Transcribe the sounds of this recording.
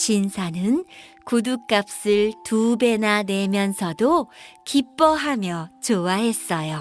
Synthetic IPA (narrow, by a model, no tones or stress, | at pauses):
ɕinsʰanɯn | kuduk͈ap̚s͈ɯɭtube̞nanwe̞mjʌnsʰʌdokip͈ʌɦamjʌt͡ɕowaɦe̞s͈ʌjo